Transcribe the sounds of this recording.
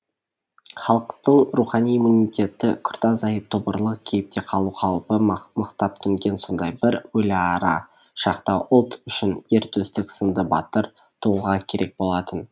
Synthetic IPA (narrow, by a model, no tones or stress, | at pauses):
χɑlˠəqt̪əɴɾuχɑnijimunijt̪ʲe̞t̪ɪkʰʊ̥ɾt̪ɑzɑjəp̚t̪ʰʊbəɾlˠəq̚kʲʰe̞jɪp̚t̪e̞qʰɑlˠuqʰɑwpəməqt̪ɑp̚t̪ʰʏŋɡʲe̞nso̞nd̪ɑjbɪɾwɵlɑɾɑ | ʃɑqt̪ɑwʔʊlˠt̪ʏʃɪne̞ɾt̪ʰɵst̪ɪksənd̪əbɑ̰t̪əɾ | t̪ʰuəlˠʁɑkʲʰe̞ɾe̞k̚bo̞lˠɑt̪ən